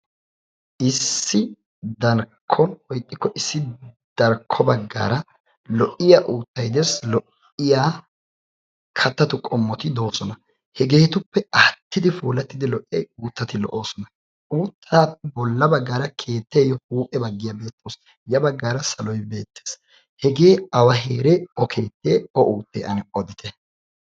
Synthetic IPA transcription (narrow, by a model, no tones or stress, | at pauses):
ʔɪsːɪ | d̪ɐɾkʰːɔnwɔjt̪ʼːɪkːɔʔɪsːɪ | d̪̥ɐɾkʰːɔbɐɡːa̰ːɾɐ | lɔʔɪjaːʔuːt̪ːɐjd̪ɛslɔʔ | ɪjaː | kʰɐt̪ːɐt̪ʊkʼɔmːɔt̪ɪd̪o̞ːsɔnɐ | hɛɡe̞ːt̪ʊpːɛɐt̪ːɪd̪ɪfuːlɐt̪ːɪd̪ɪlɔʔːɛjuːt̪ːɐt̪ɪlɔ̰ʔo̞ːsɔnɐ | uːt̪ʰːaːtbɔlːɐbɐɡːaːɾɐkʰe̞ːt̪ːɛjɔhuːpʼɛbɐɡːɪjɐbe̞ːt̪ːoːs | jɐbɐɡːaːɾɐsɐlɔjbe̞ːt̪ːe̥ːs | hɛɡeːɐwɐɦeːɾɛɔkʰe̞ːt̪ːeːɔʔuːt̪ːeːʔɐnɛɔd̪ɪt̪ʰɛ